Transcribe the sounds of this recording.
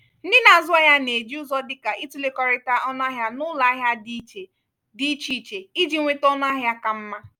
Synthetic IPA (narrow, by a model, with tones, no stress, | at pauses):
n̩˦dɪ˦na˨a˨zʊ˦a˦ja˦ne˨d͡ʒi˦ʊ˦zɔ˦dɪ˦ka˨ʔi˦tu˦le˦kɔ˨ɾɪ˦ta˦ʔɔ˦n˦a˦ɦja˦nʊ˦la˨˦ɦja˦dt͡ʃe˨ | di˦t͡ʃi˦˨t͡ʃe˨i˦d͡ʒi˦ŋʷe˦tɔ˦n˦a˦ɦja˦ka˨m̩˦ma˦